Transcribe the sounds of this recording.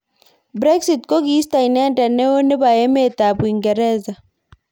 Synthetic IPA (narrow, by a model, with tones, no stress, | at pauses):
bɾɛ˦ksitko˦ɡi˦sta˨inɛ˦ɛ˦nta˨nɛ˦o˦ne˦βa˨jɛ˦mɛ˦ta˨buiŋɡɛ˨ɾɛ˦za˨